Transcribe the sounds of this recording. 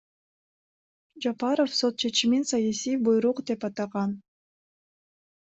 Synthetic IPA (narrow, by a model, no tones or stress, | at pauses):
d͡ʒapɑɾofso̞t̪̚t͡ʃʰe̞t͡ʃiminsɑjasijbujɾuqd̪e̞pɑt̪ɑʁɑn